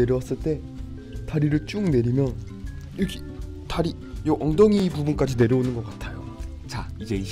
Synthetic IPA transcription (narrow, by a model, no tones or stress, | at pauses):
e̞ɾjʌwas͈ɯɭt͈e̞ | taɾiɾɯɭt͡ɕ͈uŋne̞ɾimjʌn | iɯkʰi | taɾi | jʌʔʌŋdʌŋipubunk͈ad͡ʑine̞ɾjʌonɯnɡʌk͈atʰajo | t͡ɕaid͡ʑe̞i